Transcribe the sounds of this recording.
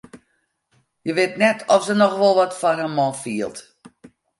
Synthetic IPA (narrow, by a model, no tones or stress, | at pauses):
jəʋɪtnɛtʰɔfsənɔxʋɔlˠʋɔtfɔrhɛmɔlˠfiəlˠt